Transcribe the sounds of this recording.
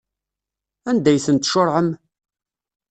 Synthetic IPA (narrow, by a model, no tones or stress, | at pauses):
ænd̪æjθənt̪ʃoɾˤʕəm